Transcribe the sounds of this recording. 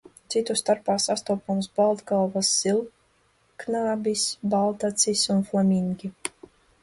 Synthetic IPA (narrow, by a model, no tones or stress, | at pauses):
t̪sit̪ust̪aɾpaːsast̪uːpɔmsbalˠd̪ɡalˠvasːilˠ | knaːbisbalˠt̪at̪sisunflˠamʲiŋɡʲi